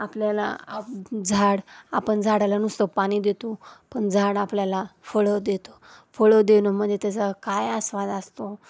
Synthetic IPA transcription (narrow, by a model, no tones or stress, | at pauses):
apljala̰ad͡zʱaɽa̰pəɳd͡zʱaɽalanust̪əpaɽ̃id̪et̪opəɳd͡zʱaɽapljalafoɭəd̪et̪o̥fəɭəd̪enom̤əd̪ʱjet̪ad͡zakajasʋad̪ast̪o